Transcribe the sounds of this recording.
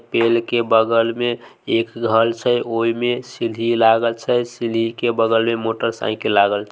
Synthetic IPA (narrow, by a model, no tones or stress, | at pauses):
pelkebəɡəlmẽekɡʱəlt͡ʃʰəoimesilɦilaɡəlt͡ʃʰəsilɦikebəɡəlmemoʈəɾsã̰ɪklaɡəlt͡ʃʰ